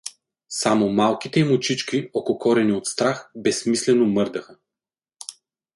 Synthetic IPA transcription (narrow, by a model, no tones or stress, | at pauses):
samomalˠkit̪ɛimʊt͡ʃit͡ʃkʲiɔkokɔɾɛniot̪st̪ɾaxbɛsmislɛnomɤɾd̪əxə